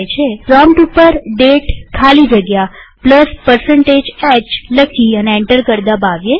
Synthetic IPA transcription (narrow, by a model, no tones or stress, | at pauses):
jt͡ʃʰepɾɔmʈupːəɾɖeʈkʰalid͡ʒəɡjapləspəɾsəɳʈed͡ʒɛt͡ʃləkʰiəneeɳʈəɾkəɾd̪abaʋje